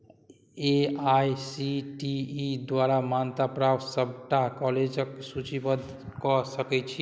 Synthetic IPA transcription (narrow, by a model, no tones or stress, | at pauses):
eajsiʈiːd̪waɾamant̪apɾaʋsəb̚ʱʈakɔled͡ʒəksut͡ʃibəd̪ | kɔsəkɛt͡ʃʰi